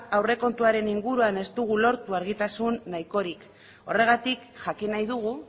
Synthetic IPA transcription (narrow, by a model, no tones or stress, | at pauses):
awre̞ko̞nt̪uaɾe̞niŋɡuɾuane̞st̪uɣ̞ulo̞ɾt̪uaɾɣit̪asunːajko̞ɾik | o̞re̞ɣ̞at̪ikʝakinajðuɣ̞u